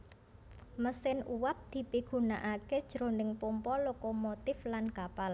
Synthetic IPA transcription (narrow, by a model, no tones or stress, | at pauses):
məsɪnuwap̚d̪̥i̤piɡ̥ṳna̰ʔaked̥ʒ̥ɾo̤nɪŋpompɔlokomot̪ɪflankapal